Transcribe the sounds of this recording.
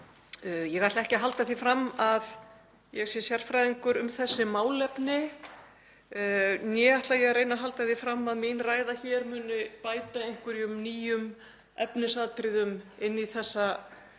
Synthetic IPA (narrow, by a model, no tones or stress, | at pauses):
jɛɣajt̪laɛhcɪɦalt̪aθifɾamːað | jɛɣsjɛsjar̥fɾajðiŋkʏɾʏmθɛsːɪmaːwlɛpnɪ | njɛaht̪lajɛɣrejnaɦalt̪aθifɾamːaðminraːjðaçɛɾmʏːnʏpaːjt̪aejŋ̥kvʏɾiʏmniːjʏm | ɛpnɪsaðt̪ɾɪðʏmɪnːiθɛsːa